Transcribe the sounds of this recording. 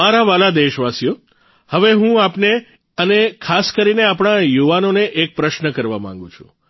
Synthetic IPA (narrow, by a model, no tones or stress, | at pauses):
aɾaʋalad̪eʃʋasjo | həʋeɦũapne | ənekʰaskəɾineapɳ̃ajuʋanoneʔek̚pɾəʃnəkəɾʋamã̰ŋ̆ɡṵ̃t͡ʃʰṵ̃